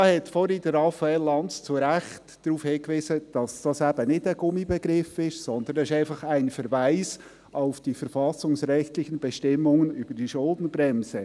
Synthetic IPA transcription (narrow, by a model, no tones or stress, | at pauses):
ɑːhɛtfɔɾidəɾɑfaɛlːɑntt͡suɾæxtd̥ɾuːfhɪkʋviːsəd̥ɑsd̥ɑsæbənɪdəɡʊmibɛɡɾɪfɪʃsɔnd̪ənɛɪʃæɪnfɑχæɪnfəɾvaɪs | ʔaʊfd̥ifəɾfɑsʊŋsɾɛçtlɪçənbɛʃtɪmːʊŋənyb̥əɾd̥iʃʊldn̩bɾɛmsə